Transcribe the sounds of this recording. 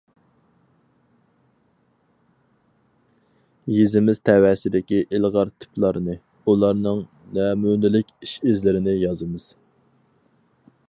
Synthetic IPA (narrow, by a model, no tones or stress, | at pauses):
jizɪmɪz̥t̪ʰɛwɛːsɪd̪ɪkʲiʔɪlʁɑɾt̪ʰy̥plˠɑɾnɨ | ulˠɑɾnɨŋ | nɛːmunɪlɪkʲiʃɪzlɪɾɪnɪjɑzɨmɨz̥